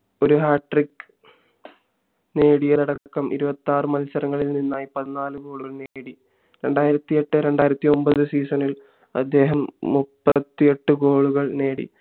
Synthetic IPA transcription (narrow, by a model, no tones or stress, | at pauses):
o̞ɾuɦaːʈːrikːɨ̥ | ne̞ːɽijɐlɐɽɐkːɐmʔḭɾubɐt̪ːaːrɨmɐlsɐɾɐŋːɐɭilninːaːjipɐðinaːlɨɡo̞ːɭuɣɐɭneːɽi | ɾe̞ɳɖaːjiɾɐt̪ːie̞ʈːɨɾe̞ɳɖaːjiɾɐt̪ːio̞mbɐðɨsiːsɐnil | ɐ̰d̪ːe̞ːɦɐmːupːɐt̪ːie̞ʈːɨɡo̞ːɭuɣɐɭne̞ːɽḭ